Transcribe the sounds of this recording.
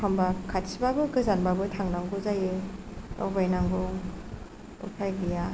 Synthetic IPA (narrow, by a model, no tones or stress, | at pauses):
ambakʰatsʰibabɯkɯzanbabɯtʰaŋnaŋɡuzajeɔ̰bajnaŋɡɯ | ṵpʰajɡija